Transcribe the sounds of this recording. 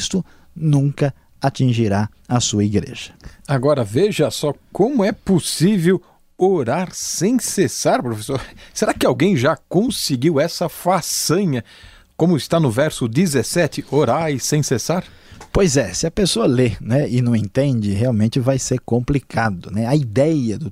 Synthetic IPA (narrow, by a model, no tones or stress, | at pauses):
st̪ʊ | nũŋkɐ | at͡ʃĩʒiɾa | ɐsuɐiɡɾḛʒ̥ɐ̥aɡɔɾɐveʒɐsɔkõmʊɛposivew | oɾaɾsẽj̃sesaɾpɾofesoɾseɾakɪawɡẽj̃ʒakõsɪɡiwɛsɐfasɐ̃ɲɐ | kõmʊɪst̪anʊvɛɾsʊd̪izesɛt͡ʃ̪ɪoɾaɾɪsẽj̃sesaɾ | pojzɛsɪɐpesoɐlenɛɪnɐ̃w̃ẽnt̪ẽnd͡ʒɪɦeawmẽnt͡ʃɪvajseɾkõmplikʰad̪ʊnɛɐid̪ɛjɐd̪ʊ